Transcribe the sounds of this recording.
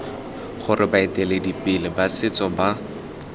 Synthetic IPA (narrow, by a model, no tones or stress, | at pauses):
χʊrɪbaetɛledipɪlɪbasɪt͡sɔba